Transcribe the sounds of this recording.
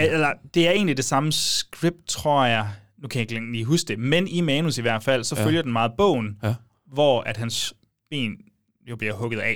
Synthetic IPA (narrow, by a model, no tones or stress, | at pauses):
elɐd̥e̝æɐe̝̰ːnlid̥e̝sɑ̈məsɡ̥ʁib̥̚d̥̚t͡sʰʁɔ̝ɐ̰jɑ̈ɪ | nukʰæjaɡleliːɦusd̥e̝menimɛːnusiʋæɐ̰d̥fæl̰sɒ̽fføljɐd̥enmɑ̈ːð̩ˠb̥ɔ̰̽ʊ̰n̩ | ʋɒ̰æd̥ɦæns | b̥ḛːn | jo̝b̥liɐhɔ̽ɡ̥ð̞̩ˠɛ̰